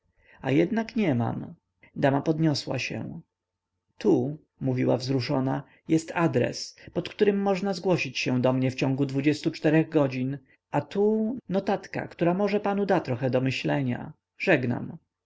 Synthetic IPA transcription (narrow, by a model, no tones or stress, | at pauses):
a̰jɛd̪nakɲɛma̰m | d̪amapɔd̪ɲɔswa̰ɕɛ̰ | t̪u | muvʲiwavzɾuʂɔna | jɛst̪ad̪ɾɛ̰spɔt̪kt̪uɾɘmːɔʐnazɡwɔɕit͡ɕɕɛw̃d̪ɔmɲɛft͡ɕɔ̃ŋɡud̪vud͡ʑɛst̪ut͡ʂt̪ɛɾɛɣɡɔd͡ʑin | at̪unɔt̪at̪ka̰kt̪uɾamɔʐɛpanud̪at̪ɾɔxɛd̪ɔmɘɕlɛɲa̰ | ʐɛɡna̰m